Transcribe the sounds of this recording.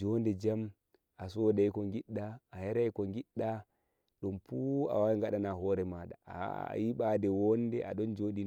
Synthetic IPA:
d͡ʒɔndɛd͡ʒam | ʔasɔːdajkɔŋɡiɗːaːhɛɾajkɔŋɡiɗːa | ɗɔmfuːa̰wawiŋɡaɗanaɦɔːɾɛmaːɗa̰a̰jiɓadɛwɔndɛʔa̰ɗɔnd͡ʒoːɗin

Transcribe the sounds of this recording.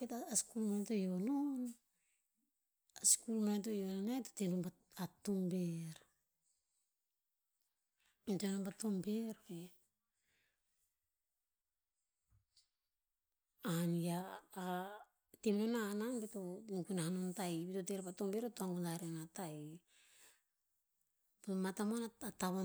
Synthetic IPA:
betaaskulmato̞jolon | askulmat̬o̞jolonajto̥tenonba | atombeɾ | ntenonbatombeɾbe | aniaː | temnonananbetonukunahanontajbitoteɾpatombe̞ɾetoaŋɡunaɾenataj | bmatamonaataβa

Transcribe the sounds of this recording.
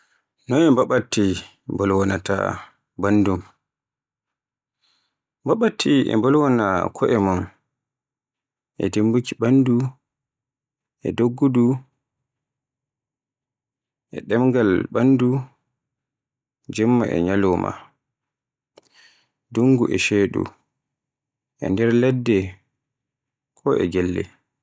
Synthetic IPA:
nɔnɛmbaɓatːi | mbɔlwɔnata̰ | bandum | mbaɓatʰːiɛ̰mbɔlwɔna̰kʰɔʔɛmɔn | ʔɛ̰dembukiɓandu | ʔɛ̰doɡːudu | ʔɛ̰ɗɛmɡalɓandu | d͡ʒɛmːaʔɛ̰ɲalɔma̰ | duŋɡuʔɛʃeːɗṵ | ʔɛ̰ndɛɾlɛdːɛ | kʰɔʔɛ̰ɡɛlːɛ̰

